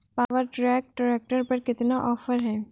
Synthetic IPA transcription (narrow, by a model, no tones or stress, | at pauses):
paːʋəɾʈɾɛːk̚ʈɾeːk̚ʈəɾpɐɾkɪt̪naʔɔːfəɾɦɛː